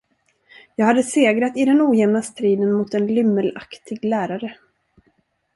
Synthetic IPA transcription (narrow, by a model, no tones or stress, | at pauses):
jɑːɡhad̪ːəseːɡɾat̪ɪd̪ɛnuːjɛmnast̪ɾiːd̪ənmʊt̪ɛnlʏmːəla̰kt̪ʰɪɡlæːɾaɾə